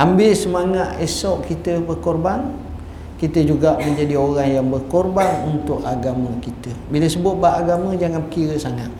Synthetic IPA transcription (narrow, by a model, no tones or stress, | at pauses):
ʔambɪsəmaŋat̪esɔʔkit̪əbərkorban | kit̪əd͡ʒuɡaʔmə̃ɲd͡ʒadioɾaŋjaŋbərkɔrbanunt̪ʊʔaɡamə̃kit̪əbiləsəbʊt̪̚baʔːɡamə̃d͡ʒaŋanpəkiɾəsaŋat̪̚